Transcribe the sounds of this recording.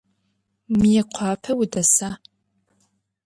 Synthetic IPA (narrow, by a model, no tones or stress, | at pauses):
mijɛqʷʰɑːpʰɐwʊdɐsaː